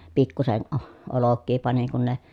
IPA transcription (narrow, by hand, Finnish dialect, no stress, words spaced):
pikːusen ʔo olokːiː pɑniŋ kun ne